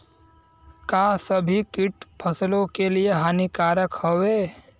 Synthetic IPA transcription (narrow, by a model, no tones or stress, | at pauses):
kaːsəbʱikɪʈpʰɐslõkelieɦaːnikaːɾəkhoʋeː